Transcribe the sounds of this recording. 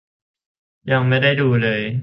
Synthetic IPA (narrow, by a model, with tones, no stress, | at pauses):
ja˧ŋma˥˩jda˥˩jduː˧lɤː˧j